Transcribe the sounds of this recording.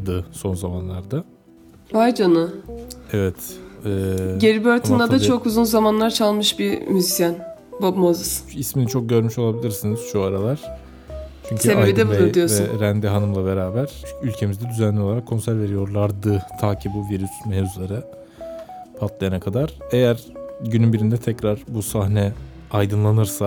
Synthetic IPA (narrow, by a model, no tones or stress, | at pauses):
d̪ɯso̞nzamanlˠaɾd̪a | vajd͡ʒonʊɛvɛt̪ɛːɟeɾibøɾt̪ʰunnd̪ad̪at͡ʃʰo̞kuzunzamanlˠaɾt͡ʃʰalˠmɯʃbiɾmyzisjan | bobmozɯsisminit͡ʃʰo̞k̚ɟø̞ɾmyʃo̞lˠabilʲiɾsiniz̥ʃuaɾalˠaɾ̥ | t͡ʃʰyɲc̪ʰyeid̪ɛbd̪ijovɛɾænd̪iɦanɯmlˠabe̞ɾaːbæɾ̥ylʲcʰe̞mizd̪ɛd̪yzænlʲioaɾakʰːo̞nsæɾve̞ɾijo̞ɾlˠaɾd̪ɯt̪ʰaːcʰibuviɾysmezulˠaɾɯ | pʰat̪lˠajanakʰad̪aɾ̥e̞jæɾɟynynbiɾind̪ɛt̪ʰɛcɾaɾ̥busahnɛajd̪ɯnlˠanɯɾsa